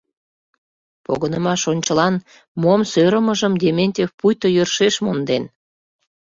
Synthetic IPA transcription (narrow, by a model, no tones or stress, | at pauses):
po̰ɣənəmɑʃonʲt͡ɕəlɑn | momsøɾəməʒəmd̪ʲemenʲtʲefpujt̪ojørʃeʃmond̪en